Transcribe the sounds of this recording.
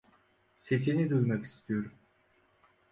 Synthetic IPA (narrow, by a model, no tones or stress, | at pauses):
se̞sinid̪ujmaki̥st̪ʰijo̞ɾum